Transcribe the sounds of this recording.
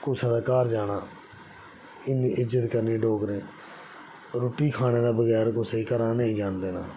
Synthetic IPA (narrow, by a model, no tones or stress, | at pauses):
kʊt͡ʃʰaːd̪aːkaːɾd͡ʒaːnaː | ɪniʔɪd͡ʒət̪kəɾneːɖoːɡɾẽː | ɾoːʈiːkʰaːneːd̪aːbəɡɛːɾkʊseikəɾaːneːĩːd͡ʒaːnd̪eːna̰ː